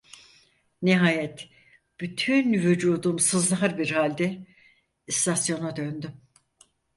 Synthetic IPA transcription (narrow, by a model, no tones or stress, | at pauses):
niɦaːjɛt̪ | b̥yt̪ʰynvyd͡ʒuːd̪umsɯzlˠaɾbiɾhalʲd̪ɛ | st̪ʰasjo̞nad̪ønd̪ym